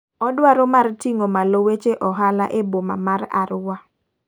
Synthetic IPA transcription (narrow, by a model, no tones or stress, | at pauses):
ɔdwaɾɔmartiŋomalowet͡ʃeʔɔɦala̰ʔeboma̰maɾa̰ɾwa